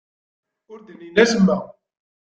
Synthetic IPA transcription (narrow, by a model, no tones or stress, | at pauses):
ʊɾd̪əninæsəmːæ